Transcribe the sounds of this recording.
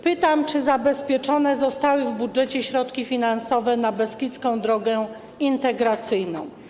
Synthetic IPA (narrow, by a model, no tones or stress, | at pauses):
pɘt̪amt͡ʂɘzabɛspʲjɛt͡ʂɔnɛzɔst̪awɘvbudʐɛt͡ɕɛɕɾɔt̪kʲifʲinansɔvɛnabɛskʲit̪skɔ̃w̃d̪ɾɔɡɛ | int̪ɛɡɾat̪sɘjnɔ̰̃w̃